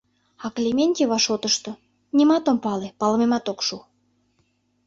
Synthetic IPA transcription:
ɑklʲemʲenʲtʲiβɑʃot̪əʃt̪ŏ | nʲimɑt̪ompɑlepɑlmemɑt̪okʃu

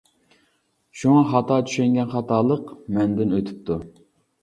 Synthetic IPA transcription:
ʃuŋɑχɑt̪ɑːt͡ʃʰy̥ʃɛŋɡʲɛnχɑt̪ʰɑːlˠəqmɛnd̪ɪnøt̪ʰy̥p̚t̪ʰu

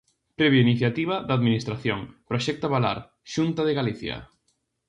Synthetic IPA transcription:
pɾɛβjainiθjat̪iβ̞ɐðaðminist̪ɾaθjoŋpɾoʃɛk̚t̪aβala̰ɾ | ʃunt̪aðeɣaliθjɐ̰

